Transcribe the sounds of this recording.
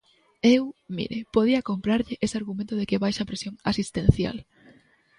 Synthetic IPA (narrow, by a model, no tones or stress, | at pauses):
ewmḭɾɪpoð̞iɐkompɾaɾʎɪʔeseaɾɣumẽnt̪ʊðekɪβajʃapɾesjoŋasist̪ẽnθja̰l